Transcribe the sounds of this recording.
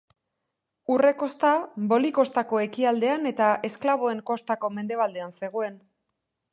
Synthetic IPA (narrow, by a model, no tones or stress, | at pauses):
ure̞ko̞st̪abo̞liko̞st̪ako̞e̞kiald̪e̞ane̞t̪aʔe̞sklaβ̞o̞e̞ŋko̞st̪ako̞me̞nd̪e̞β̞ald̪e̞anse̞ɣ̞o̞e̞n